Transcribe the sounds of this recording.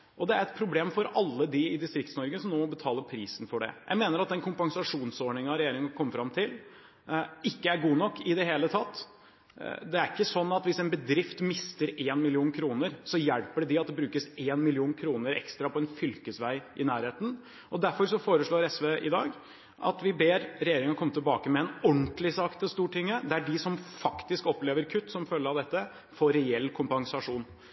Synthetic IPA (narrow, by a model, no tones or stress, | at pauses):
ʔɔd̪ɛæɾɛt̪̚pʰɾʊbleːmfɔɾɑlːəd̪ɪɪd̪ɪst̪ɾɪk̚t̪snɔɾɡəsɔmnoːmɔbət̪ʰɑːləpʰɾiːsn̩fɔɖɛ̰jʔæ̰ɪmeːnəɾɑt̪̚d̪ɛnkʰʊmpɑŋsɑʂuːnsoːɳɪŋənɑɾɛjeːɾɪŋkʰɔmːəfɾɑmt̪ʰɪl | ɪkːəæɾɡuːnɔkːɪd̪ɛɦeːlət̪ʰɑt̪ː | d̪ɛæɾɪkːəsɔnːɑt̪ʋɪsɛːnbəd̪ɾɪft̪mɪst̪əɾeːnmɪlɪuːnkʰɾuːnəɾsɔjɛlpəɖɛɖɪɑt̪̚d̪ɛbɾʉːkəseːnmɪlɪuːnkʰɾuːnəɾɛ̰kst̪ɾɑpʰɔɛnfʏlkəsʋæɪʔɪnæːɾheːt̪n̩ | ʔɔd̪æɾfɔɾsɔfoːɾəʂɭoːɾɛsʋeːʔɪ̰d̪ɑ̰ːɡ | ʔɑ̰t̪ʋɪbeːɾɾɛjeːɾɪŋɑkʰɔmːət̪ɪlbɑːkəmɛɛnɔnt̪lɪsɑkt̪ʰɛst̪uːʈʰɪŋːəd̪ɛææɖɪsɔmfɑkt̪ɪskɔpleːʋəɾkʰʉt̪ːsɔmfœlːəɾɑʋd̪ɛt̪ːə | foːɾɛɛlːkʰʊmpɑŋsɑʂuːn